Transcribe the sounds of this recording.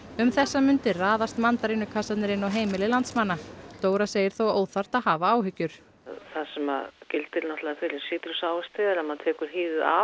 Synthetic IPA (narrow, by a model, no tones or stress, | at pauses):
ʏmθɛsːamʏnt̪ɪraːðast̪mant̪aɾɪnʏkʰasat̪nɪɾɪnawɦeːjmɪlɪlant̪smanːat̪oːwɾaseːjɪɾ̥θowoːwðθar̥t̪aðɦaːvaaːwɦʏcːʏɾ̥ | θaðsɛma̰ðcɪlt̪ɪlnɔht̪laðafɪlɪsiːt̪ɪɾʏsaːwast̪ɪɛɾamant̪ʰɛːkʏɾ̥ɦiːðɪða̰